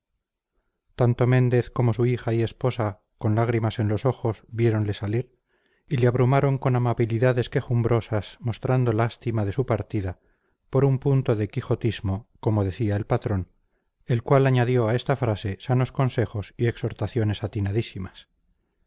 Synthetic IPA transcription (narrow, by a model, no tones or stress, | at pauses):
t̪ant̪o̞mẽ̞nd̪e̞θko̞mo̞suixaie̞spo̞sa | ko̞nlaɣ̞ɾimase̞nlo̞so̞xo̞zβje̞ɾo̞nle̞saliɾ | ileaβɾumaɾo̞ŋko̞namaβiliðaðe̞ske̞xumbɾo̞sasmo̞st̪ɾand̪o̞last̪imað̞e̞supaɾt̪iða | po̞ɾumpunt̪o̞ðekixo̞t̪izmoko̞mo̞ðe̞θiae̞lpat̪ɾo̞n | e̞lkwalaɲaðjo̞ae̞st̪afɾase̞sano̞sko̞nse̞xo̞sie̞kso̞ɾt̪aθjo̞ne̞sat̪inaðisimas